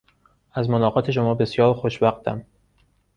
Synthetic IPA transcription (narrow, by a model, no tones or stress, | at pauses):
æzmonɒːɣɒːt̪ʰe̞ʃ̬omɒːbe̞sjɒːɾxoʃvæxt̪ʰæ̰m